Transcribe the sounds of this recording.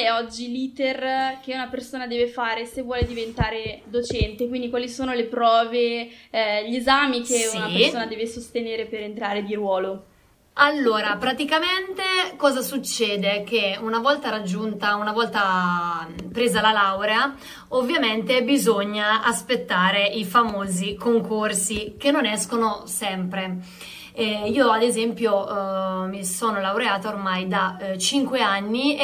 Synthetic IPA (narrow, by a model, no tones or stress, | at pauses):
ɛɔd͡ʒːiliːt̪erk̟eunapersoːnad̪ɛːvefaːɾesevːwɔːled̪ivent̪aːɾed̪ot͡ʃɛnt̪ekwind̪ikwaːlisoːnolepɾɔːve | ʎezaːmik̟eunaperssoːnad̪ɛːvesost̪eneːɾepeɾent̪ɾaːɾed̪iɾwɔːlo | alːoːɾapɾat̪ikament̪ekɔːzasut͡ʃːɛːd̪ekeunavɔlt̪aɾad͡ʒːunt̪aunavɔlt̪a | pɾeːzalalawɾea | ovːjament̪ebizoɲːaaspet̪ːaːɾeifamoːzikoŋkorsikenːonɛskonosɛmpɾe | iːoad̪ezɛmpjo | misoːnolawɾeaːt̪aormajd̪at͡ʃiŋkweanːi